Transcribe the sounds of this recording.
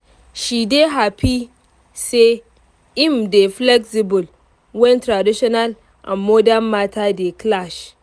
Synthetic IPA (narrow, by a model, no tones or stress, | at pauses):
ʃideɦapi | se | ʔɪmdeflɛksibʊl | wɛntɾadiʃɔnal | ʔã̰nmɔdanmatʰadeklaʃ